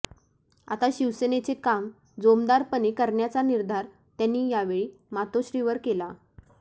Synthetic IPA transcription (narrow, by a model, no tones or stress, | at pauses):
at̪aɕiʋsənet͡sekam | d͡zomd̪aɾpənekəɾɳjat͡saniɾd̪ʱaɾ | t̪janːiːjaʋeɭiːmat̪oɕɾiːʋəɾkela